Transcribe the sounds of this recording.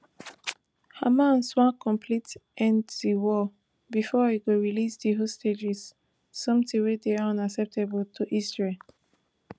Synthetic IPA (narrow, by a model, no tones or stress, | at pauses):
ha̰mãnswãkʰɔ̃mpʰlitɛ̃nddiwɔ | bifɔiɡoɹilisdiɦosted͡ʒɛsː | ɔ̃mtĩwɛdeaɔ̃naksɛp̚tʰebəltʰuʔistɹe